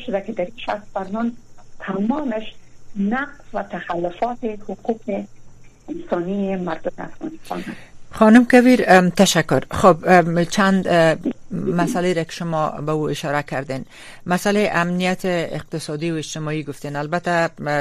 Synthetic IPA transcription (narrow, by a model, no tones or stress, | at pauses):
ʃʊd̪akɪd̪aɾiʃa̰st̪̚baɾnɔmt̪ʰamɔmɪʃnaqzwat̪axalːʊfɔt̪ɪhʊquqɪ | ɪnsɔniemaɾd̪ʊmɪa̰fɣɑ̰nɪst̪ɑ̰naxɒnʊmkabiɾt̪aʃakːʊɾxobt͡ʃʰand̪ | masaleɾakɪ̥ʃʊmɔbauɪʃɒɾakaɾd̪en | masaleʔamnijat̪ʰɪɪ̰q̚t̪ɪsɒd̪iwɪd͡ʒt̪ɪmɔiɡʊft̪enalbat̪a